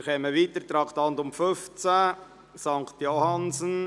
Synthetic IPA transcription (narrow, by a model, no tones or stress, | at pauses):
χɛməʋiːt̪əɾt̪ɾɑːkt̪ɑnd̪ʊmføft͡sæ | sɑŋkt̪johɑnsən